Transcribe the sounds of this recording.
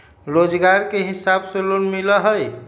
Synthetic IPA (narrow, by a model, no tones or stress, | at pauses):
ɾod͡ʒɡaɾkeɦisabselonmiləɦəj